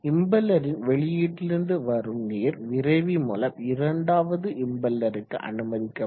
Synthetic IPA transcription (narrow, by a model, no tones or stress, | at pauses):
ɪmbɛlːɐɾɪnʋɛɭɪjeːʈːɪlɪɾɯnd̪ɯʋɐɾɯmniːɾʋɪɾɐɪʋimʊlɐmɪɾɐɳɖaːʋɐðɯʔɪmbɐlːɐɾɯkːɯ̰ʔɐ̰nɯmɐðɪkːɐ